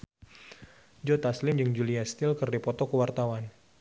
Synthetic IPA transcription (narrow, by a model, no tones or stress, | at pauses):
d͡ʒot̪aslɪmd͡ʒɨŋd͡ʒuliast̪ɪlkɨrdipɔt̪ɔkəwart̪awan